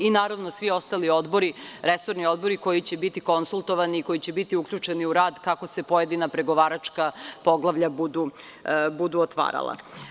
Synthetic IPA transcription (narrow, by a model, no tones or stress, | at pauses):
inaːɾaʋno̞sʋio̞st̪alio̞d̪boɾiɾeso̞ɾnio̞d̪bo̞ɾiko̞jit͡ɕe̞bit̪iko̞nsulˠt̪o̞ʋaniːko̞jit͡ɕe̞bit̪iukʎʲut͡ʂeniuɾaːd̪kako̞se̞poje̞d̪inapɾe̞ɡo̞ʋaːɾat͡ʂkapo̞ɡlˠaʋʎabud̪u | bud̪uot̪ʋa̰ːɾa̰lˠa̰